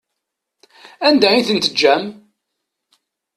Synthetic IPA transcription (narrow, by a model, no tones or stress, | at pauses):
ænd̪æiθənt̪əd͡ʒːæm